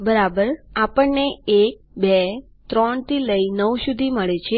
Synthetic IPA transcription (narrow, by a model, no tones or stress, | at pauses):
bəɾabəɾapəɳneek̚be | t̪ɾɔɳt̪iləinəwʃud̪ʱiməɭet͡ʃʰe